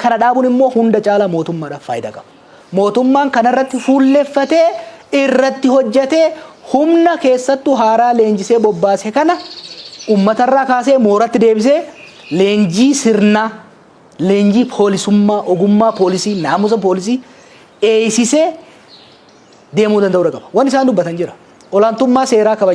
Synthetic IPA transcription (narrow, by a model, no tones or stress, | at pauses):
kɐnɐᶑaːbʊnɪmːoːhʊnd̪ɐt͡ʃʼaːlɐmo̞ːt̪ʊmːaːᶑɐfa̰ːjɪd̪ɐ̰kʼɐbɐ̥ | mo̞ːt̪ʊmːaːŋkɐnɐrːɐt̪ːɪfuːlːɛfːɐt̪eːɪrːɐt̪ːɪhɔd͡ʒːɛt̪e̞ːhʊmnɐke̞ːsːɐt̪ːʊɦaːɾaːle̞ːnd͡ʒɪseːbɔbːaːsɛkɐnɐʔuːmːɐt̪ɐrːaːkaːs̬eːmoːɾɐt̪ːɪd̪e̞ːbɪs̬eː | le̞ːnd͡ʒiːsɪɾnaː | le̞ːnd͡ʒiːpʰo̞ːlɪsʊmːaːʔɔɡʊmːaːpo̞ːlɪsiːnaːmʊs̬ɐpoːlɪs̬iː | e̞ːjsɪseː | d̪e̞ːmuːd̪ɐnd̪ɐʔuːᶑ̪ɐkʼɐbɐwɐnːɪsaːnd̪ʊbːɐt̪ɐnd͡ʒɪɾɐ̥ | ɔlaːnt̪ʊmːaːse̞ːɾaːkɐbɐ